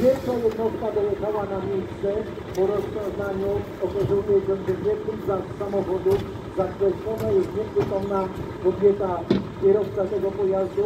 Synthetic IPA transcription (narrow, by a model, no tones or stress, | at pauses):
vʲjɛlkʂajɛd̪nɔst̪̚kad̪ɔlɛkawanamʲjejst̪sɛ | pɔɾɔzvʲjɔ̃nznaɲu | ɔkɔʐɔwnɛbɛndɛvʲɛk̪uzasamɔxɔd̪uf | zakvɛt̪ɔnajɛst̪ɲɛvɛkɔwna | kɔbʲjɛt̪akʲɛɾɔst̪kat̪ɛɡɔpɔjazd̪u